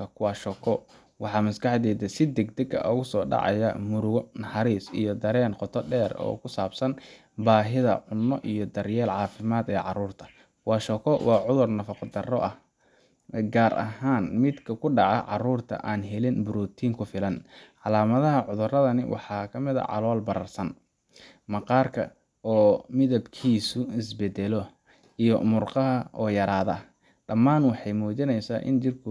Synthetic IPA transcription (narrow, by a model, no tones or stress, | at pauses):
ɐkʰʊwɑːʃɔkʰɔ | wɑħɑːmɐskɑħd̪ɛːd̪ɐsɪd̪ɛɡd̪ɛɡɐ̰ʔɔɣʊsɔːɖɑ̰ʕɑ̰jɐ̰mʊɾʊɣɔnɐħɑɾiːsijɔd̪ɐɾɛːnqɔt̪ʰɔɖɛːrɔ̰ːkʰʊsaːbsɐn | baːɦɪðɐ̰ʕʊnːɔʔijɔd̪ɐrjɛːlʕɑːfɪmaːd̪ɛːʕɑ̰ɾuːrt̪ʰɐ̥ | wɑːʃɔkʰɔwɑːʕʊðʊrnɐfɑqd̪ɐrɔ̰ʔɐh | ɡaːɾʔɐ̰ɦaːnmɪd̪kʰɐkʰʊɖɑʕɑ̰ʕɑ̰ruːrt̪ʰɐ̰ʔaːnɦɛlɪnbʊɾuːt̪ʰiːŋkʰʊfɪlɐnʕɑlaːmɐðɐɦɐʕʊðʊrɐðɐnɪwʔɑ̰ħɑːkʰɐmɪðɐ̰ʕɑ̰lɔːlbɐɾɐrsɐn | mɐqɑːrkʰɐ | ɔːmɪðɐbkʰiːsʊɪsbɛd̪ɛlɔ | ijɔ̰mʊrqɑɦɐʔɔːjɐɾaːðɐ̰ | ɖɐmːaːnwɑħɑjmuːt͡ʃɪnɛjsaːʔɪ̰nt͡ʃɪrkʰʊ